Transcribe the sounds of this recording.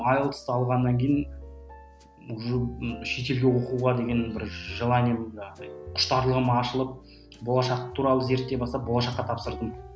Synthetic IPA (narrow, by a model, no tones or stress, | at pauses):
ɑjəlˠt̪ə̥st̪əɑlˠʁɑnːɑŋkʲʰejɪn | ʊʒəʃe̞t̪e̞lɡʲe̞wo̞quʁɑd̪e̞ɡʲe̞nbɪɾʒəlˠɑnʲemqʰʊ̥ʃt̪ɑɾlˠəʁəmɑʃəlˠəp̚ | bo̞lˠɑʃɑqt̪ʰuɾɑlˠəze̞ɾt̪ːe̞bɑst̪ɑp̚bo̞lˠɑʃɑqːɑt̪ʰɑpsəɾd̪əm